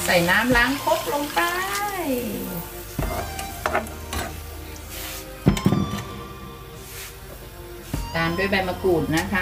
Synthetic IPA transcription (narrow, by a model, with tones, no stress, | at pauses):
sa˨˩jnaː˦˥mlaː˦˥ŋkʰo˦˥p̚lo˧ŋpa˧˥j | t̪aː˧mdu˥˩əjba˧jma˧kuː˨˩t̪̚na˦˥kʰa˦˥